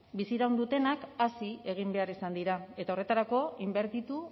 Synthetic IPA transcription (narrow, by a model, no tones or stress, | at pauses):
bisiɾawnd̪ut̪e̞nakasie̞ɣ̞imbe̞aɾisand̪iɾae̞t̪ao̞re̞t̪aɾako̞imbe̞ɾt̪it̪u